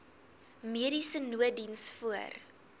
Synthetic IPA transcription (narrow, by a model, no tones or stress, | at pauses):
miəɾisənuədinsfuər